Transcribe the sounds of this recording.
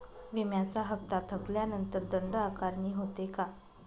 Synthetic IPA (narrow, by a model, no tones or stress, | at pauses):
ʋimjat͡saɦəpt̪at̪ʰəkljanənt̪əɾd̪əɳɖəakaɾɳiːɦot̪eka